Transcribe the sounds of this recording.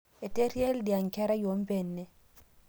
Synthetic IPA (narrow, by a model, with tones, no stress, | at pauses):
e˨te˦ɾje˦ldja˨ŋkɛ˦ɾa˦jo˨˦mbe˦˨nːɛ˦